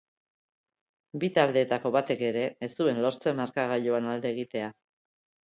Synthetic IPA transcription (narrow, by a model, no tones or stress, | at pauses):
bit̪ald̪e̞ːt̪ako̞βat̪e̞ke̞ɾe̞ːst̪ue̞nlo̞ɾt͡se̞maɾkaɣaʎo̞anald̪e̞ːɣit̪e̞a